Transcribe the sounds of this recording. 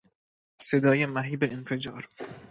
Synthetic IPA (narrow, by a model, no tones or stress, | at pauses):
sed̪ɒːjemæɦiːbeːnfe̞d͡ʒɒːɾ